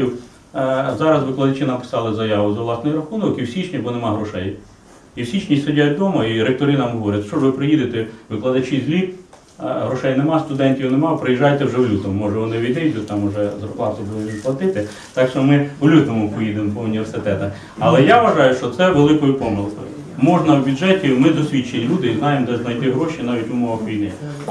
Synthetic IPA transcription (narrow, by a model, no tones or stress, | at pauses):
iw | zɑɾɐsʋɪklˠɐd̪ɐt͡ʃɪnɐmpɪ̥sɑlˠɪzɐjɑʋʊzɐʋlˠɑsnɔjiɾɐxunɔkiwsʲit͡ʃnʲibɔnemɑɦɾɔʃɛj | iwsʲit͡ʃnʲisedʲajt̚ʲd̪ɔmɐiɾek̚t̪ɔɾɪnɑmɦɔʋɔɾʲɐt̪ʲʃt͡ʃɔʒʋɪpɾɪjid̪ɪt̪ɛʋɪklˠɐd̪ɐt͡ʃizʲlʲi | ɦɾɔʃɛjnemɑst̪ʊd̪ɛnʲtʲiwnemɑpɾɪjiʒɑjt̪ɛwʐɛwlʲut̪ɔmʊmɔʒɛʋɔnɪʋʲid̪ɛjd̪ʊt̪ʲt̪ɑmʊʒɛzɐrklˠɑt̪ʊbud̪ˠɪʋʲiplˠɐt̪ɪt̪ɪ | t̪ɑkʃɔmɪwlʲut̪ɔmʊpɔjid̪ɪmpɔʊnʲiʋersɪt̪ɛt̪ɐx | ɐlˠɛjaʋʋɐʒɑjʊʃt͡ʃɔt̪sɛʋelˠɪkɔjʊpɔmɪlˠkɔjʊ | mɔʒnɐwbʲʊdʒɛtʲimɪd̪ɔsʲʋʲit͡ʃːenʲilʲud̪ɪiznɑjemd̪ɛzznɐjt̪ɪɦɾɔʃinɑʋʲitʲʊmɔʋɐxʋʲij̪nɪj̰